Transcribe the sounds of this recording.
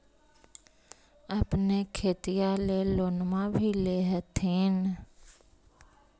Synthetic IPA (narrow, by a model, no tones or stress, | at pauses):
əpnekʰeːt̪ijaleloːnmãbʱileɦət̪ʰeːn